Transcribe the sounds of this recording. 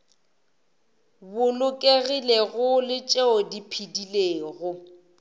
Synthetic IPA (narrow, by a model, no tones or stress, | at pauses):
bʊlʊkʼeɣileɣʊlɪt͡ʃʼeɔdipʰidileːɣʊ